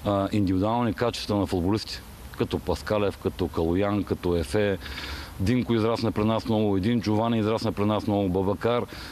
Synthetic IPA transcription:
ʔind̪ivid̪ualˠnikat͡ʃɛ̥st̪vɐnɐfʊd̪bʊlist̪ʲi̥ | kɐt̪ɔpɐskalɛfkɐt̪ɔkɐlˠojankɐt̪ɔɛfɛ | d̪iŋkʊizɾasnɐpɾinasnnɔɡʊɛd̪int͡ʃʊvanʲiizɾasnəpɾinasnɔɡʊbɐbɐkaɾ

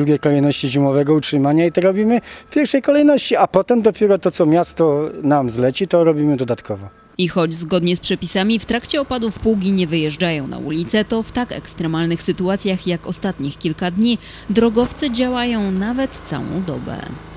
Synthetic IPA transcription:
d̪ɾuɡʲejkɔlɛjnɔɕt͡ɕiʑimɔvɛɡɔutʂɘmaɲait̪ɔɾɔbʲimɘfpʲjɛɾfʂɛjkɔlɛjnɔɕt͡ɕiapɔt̪ɛmd̪ɔpʲjɛɾɔt̪ɔt̪sɔmʲjast̪ɔnamzlɛt͡ɕit̪ɔɾɔbʲimɘd̪ɔd̪at̪kʰɔvɔ | ixɔd͡ʑzɡɔd̪ɲɛspʂɛpʲisamʲift̪ɾakt͡ɕɛɔpad̪ufpuwɡʲiɲɛvɘjɛʐd͡ʐajɔ̃w̃na̰ʔṵlʲit̪sɛt̪ɔft̪akɛ̰kst̪ɾɛmalnɘxsɘt̪uat̪sʲjaxjakɔst̪at̪ɲixkʲilkad̪ɲi | d̪ɾɔɡɔft̪sɘd͡ʑawajɔ̃w̃navɛt̪t̪sa̰wɔ̰̃w̃d̪ɔ̰bɛ̰

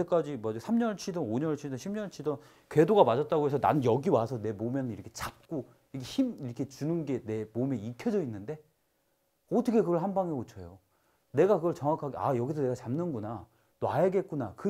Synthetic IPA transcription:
ek͈ad͡ʑimʌd͡ʑisʰamɲʌɭt͡ɕʰidʌnoɲʌt͡ɕʰidʌnɕʰimɲʌɭt͡ɕʰidʌn | kwe̞doɡamad͡ʑʌt̚t͈aɡoɦe̞sʰʌna̰njʌɡiwasʰʌne̞momjʌnɯniɾʌkʰe̞t͡ɕak̚k͈o | ikʰeçimiɾʌkʰe̞t͡ɕunɯnɡe̞ne̞momeikʰjʌd͡ʑʌinːɯnde̞ | ʌtʰʌkʰe̞kɯɡʌɭɦanbaŋɦeot͡ɕʰʌjo | ne̞ɡakɯɡʌɭt͡ɕʌŋwakʰaɡea̰jʌɡisʰʌne̞ɡat͡ɕamnɯnɡuna | nwajaɡe̞t̚k͈unakɯ

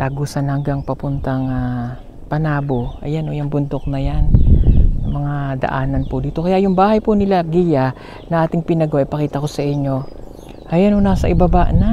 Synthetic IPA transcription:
t̪aɡosɐnhɐŋɡaŋpɐpʊnt̪ɐŋa | pɐnaːboʔɐjanhojɐŋbʊnd̪o̞k̚nɐjan | mɐŋad̪ɐ̰ʔaːnɐnpʊd̪iːt̪o̞kɐjaʔjʊŋbaːhɐjpunɪlaɡija | nɐʔaːt̪ɪŋpɪnɐɡoʔɐjpɐkiːt̪ɐko̞sɐʔɪɲːo̞ | ʔɐjanhonasɐʔɪbɐbaʔna

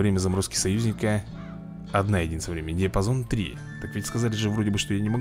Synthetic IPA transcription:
vɾʲemʲəzɐmɾoskʲɪ̥sɐjʉzʲnʲɪkə | ɐd̪najɪdʲinəvɾʲemʲɪnʲɪd̪ʲɪpɐzo̞nt̪ɾʲḭ | t̪akvʲitʲskɐzalʲɪʐɨvɾo̞dʲɪbɨʂt̪o̞janʲɪmɐɡ

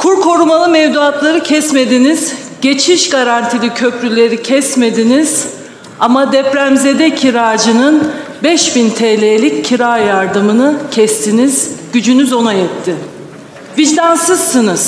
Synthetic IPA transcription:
kʰuɾkʰo̞ɾumalˠɯmɛvd̪uat̪lˠaɾɯcʰɛsme̞d̪iniz̥ | ɟ̥e̞t͡ʃʰiʃɡaɾant̪ʰilicʰø̞pɾylʲe̞ɾicʰɛsme̞d̪iniz̥ | amad̪ɛpɾæmze̞d̪ɛcʰiɾaːd͡ʒɯnɯn | bɛʃbint̪ʰɛːlʲeːlʲicʰːiɾaːjaɾd̪ɯmɯnɯcʰɛst̪ʰiniz̥ɟ̥yd͡ʒynyzo̞najɛt̪ʰːi | vid͡ʒd̪ansɯzːɯnɯz̥

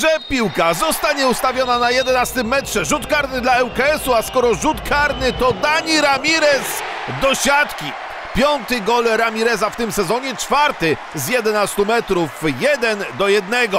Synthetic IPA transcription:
ʐɛpʲiwkazɔst̪aɲɛust̪avʲjɔnanajɛd̪ɛnast̪ɘmːɛtʂɛʐut̪kaɾnɘd̪laɛwkaɛsuaskɔɾɔʐut̪kʰaɾnɘt̪ɔd̪aɲiɾamʲiɾɛs | d̪ɔɕat̪kʲi | pʲjɔnt̪ɘɡɔlɾamʲiɾɛzaft̪ɘmsɛzɔɲɛt͡ʂfaɾt̪ɘ | zjɛd̪ɛnast̪umɛt̪ɾufjɛd̪ɛnd̪ɔjɛd̪nɛɡɔ

